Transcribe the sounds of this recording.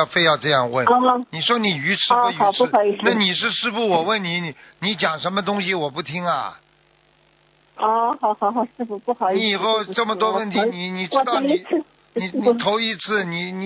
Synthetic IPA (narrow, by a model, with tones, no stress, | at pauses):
ʊfe˥˧ɪjɑ˥˧ʊʈ͡ʂɤ˥˧jɑ˥˧ŋwə˥˩n˥˧ni˨˩ʂwɔ˥ni˨˩y˧˥ʈ͡ʂʰɻ̩˥˧˨ʈ͡ʂʰu˥˧˥ɑ˨˩i˧na˥˩ni˨˩ʂɻ̩˥˧ʂɻ̩˥˧fu˥˩wɔ˨˩wə˥˩nni˨˧˥ni˧˥t͡ɕjɑ˨˩ŋʂə˧˥nmə˧t̪ʊ˥ŋɕi˨wɔ˨˩pu˥˩t̪ʰi˥ŋɐ̰˨ | ɔ˥˧xɑ˧˩ʊxɑ˨˩ʊxɑ˨˩˦ʂɻ̩˥˧fu˧pu˥˩xɑ˨˩ʊi˥i˨˩xo˥˧ʊʈ͡ʂə˥˩mə˩t̪wɔ˥wə˥˩nt̪ʰi˧˥ni˨˧˩ni˨˩ʈ͡ʂɻ̩˥˧˥t̪ɑ˩ʊ˧˨˥ | ni˨˧˩ni˧˩t̪ʰo˧˥ʊi˧˥t͡sʰɹ̩˥˩ni˨˩ni˨˧